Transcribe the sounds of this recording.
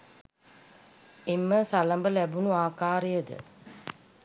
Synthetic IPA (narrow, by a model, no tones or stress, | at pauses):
emːəsaləmbəlæbunuaːkaːɾejəd̪ə̰